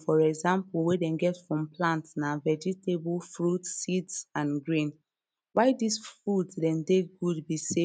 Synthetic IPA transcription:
fɔɹɛɡzãmpuwedɛ̃nɡɛtfɹɔ̃mplãntnavɛd͡ʒitebulfɹutsidsãnɡɹĩn | waɪdisfɹutdɛ̃ndeɡudbise

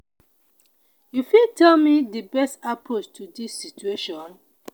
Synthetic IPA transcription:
jufiltʰɛlmidəbɛstapɹot͡ʃtʰudisːitueʃɔ̃n

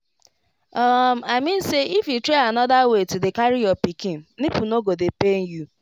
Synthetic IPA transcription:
ɔm̩aɪmĩn̩seifitɾeanɔdawetidekaɾijɔpikin̩nipunoɡodepen̩ju

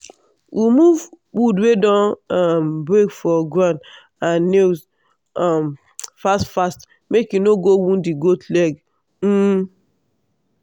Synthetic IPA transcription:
wʔimuv | wudwedɔ̃nɔmbɾekfɔɡɹãn | ãnːez | ɔm | fastfast | mekjunoɡowũndiɡotlɛɡ | m̩

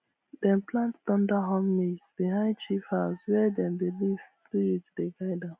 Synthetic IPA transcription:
dɛ̃nplãnttɔ̃ndaɦɔ̃mːesbiɦãɪ̃ndt͡ʃifhaʊswɛdɛ̃mbilivspiɹitd̥eɡaɪdã

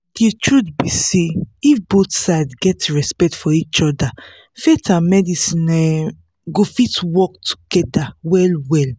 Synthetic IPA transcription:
d̥etʰɹutbiseifbot̪saɪdɡɛtɹɛspɛk̚tfɔit͡ʃɔda | fetãmɛdisĩnɛ | ɡofitwɔk̚tʰu̥ɡ̥ɛdawɛlwɛl

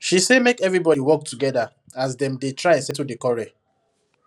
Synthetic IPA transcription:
ʃisemekɛvɹibɔɾiwɔk̚tuɡɛda | asdɛ̃mdetɹaɛ̃nsɛtudekɔɹe

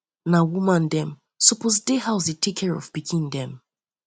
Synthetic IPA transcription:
nawumãndɛ̃m | sɔpozdehaʊsetʰekʰːɛɹɔ̰vpikʰĩndɛ̃m

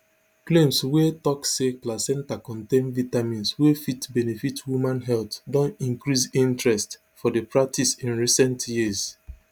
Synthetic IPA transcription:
klẽmswetɔkseplasɛ̃ntakɔ̃ntẽnvitamĩnswefitbɛnefitwumãnɦɛltdɔ̃nĩŋkɹisĩntɹɛst | fɔdepɹak̚tʰisĩnɹisɛ̃ntjiz

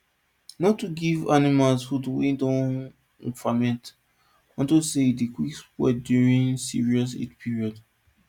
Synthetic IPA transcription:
nɔtːuɡivanimalshudwḭ̃dɔ̃ñ | famɛ̃nt | ɔ̃ntoseidikwikswɛ̰djuɹĩnsḭɹiɔs̬ḭtpʰiɹiɔd

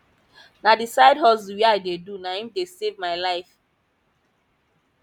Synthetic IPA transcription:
nadisaɪdɦɔziwiaɪdedunahĩmdesevmaɪlaɪf

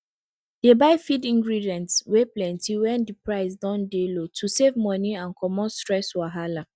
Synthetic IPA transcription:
d̥ebaɪfidĩŋɡɹidiɛ̃ntsweplɛ̃ntʰiwɛ̃ndipɹaɪsdãndelotʰusevmɔniãnkʰɔmɔtstɹɛswaɦala

